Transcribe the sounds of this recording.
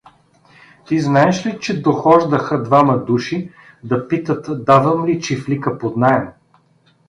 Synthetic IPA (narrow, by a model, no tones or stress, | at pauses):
t̪iznaɛʃlit͡ʃɛd̪oxɔʒd̪əxəd̪vamɐd̪uʃi | d̪ɐpit̪ət̪d̪avəmlit͡ʃiflikəpod̪naɛm